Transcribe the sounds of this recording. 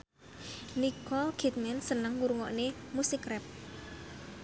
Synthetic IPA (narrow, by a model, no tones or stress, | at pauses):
nikɔlkɛt̪̚mɛnsənəŋːuɾuŋɔʔnemusikɾɛp̚